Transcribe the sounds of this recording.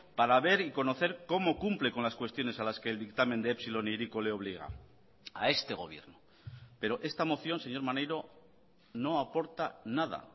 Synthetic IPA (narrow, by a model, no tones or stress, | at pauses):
paɾaβe̞ɾiko̞no̞θe̞ɾko̞mo̞kumple̞ko̞nlaskwe̞st̪jo̞ne̞salaske̞ːld̪ikt̪amend̪eepsilo̞niɾikole̞o̞β̞liɣ̞a̰ | a̰e̞st̪e̞ɣ̞o̞̰β̞je̞̰ɾno | pe̞ɾo̞ʔe̞st̪amo̞θjo̞nse̞ɲo̞ɾmanejɾo̞ | no̞apo̞ɾt̪anað̞a̰